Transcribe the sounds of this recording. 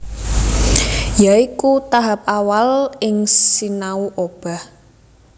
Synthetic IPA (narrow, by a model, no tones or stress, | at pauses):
jaikut̪aɦap̚awalɪŋsinauʔob̥a̤h